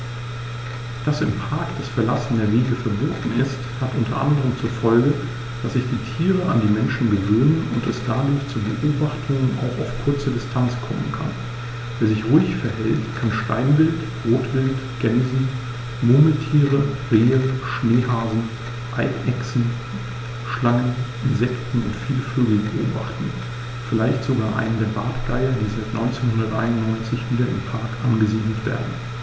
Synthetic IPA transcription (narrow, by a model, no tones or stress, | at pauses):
d̥asɪmpʰaɐkd̥asfɛɐlasn̩deɐveːɡəfɛɐboːdn̩ɪsthatʔʊntɐ̰ʔa̰ndəʁ̞əmt͡suɐfɔlɡə | d̥asz̥ɪçd̥iːtʰiːʁəa̰ndiːmɛnʃn̩ɡəvøːnənʊntɛ̰sd̥aːdʊːɐçt͡suːbə̰ʔoːbaχtʰʊŋəna̰ʊxa̰ʊfkʰʊɐt͡sədɪstʰant͡skʰɔmənkʰa̰n | veːɐzɪçʁuɪçfɛɐɦɛltkʰanʃta̰ɪnvɪlt | ʁoːtv̥ɪltɡ̥ɛnzn̩ | moːməltʰiːʁəʁeːənʃneːɦaːzn̩ | ʔaɪkʔɛksn̩ | ʃlaɪnənʔɪnzɛktn̩ʊ̰ntfiːləføːɡl̩bəʔo̰ːba̰χtn̩ | fɪlaɪçtz̥oɡaːɐʔa̰ɪnəndeːɐbaːtɡ̥aɪɐdiːzaɪtnʔɔʏnt͡seːnhʊndɐtʔaɪnʊntnɔʏnt͡sɪçv̥iːdɐɪ̰mpʰaɐkʔanɡəziːdl̩tv̥ḛɐdn̩